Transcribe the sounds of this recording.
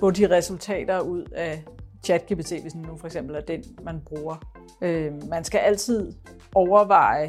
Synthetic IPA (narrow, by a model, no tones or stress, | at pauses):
fɔdiʁɛsult͡sʰɛ̰ːd̥ɐuð̞̰ˠæt͡ɕʰæd̥̚kʰeb̥it͡sʰe̝̰ːʋesn̩ːufɒ̽eɡ̥sem̰b̥l̩æɐd̥enmænb̥ʁuːɐ | ømænsɡ̥æʔæl̰t͡sʰið̰ˠ | ɒʊɐʋɑ̈ɪ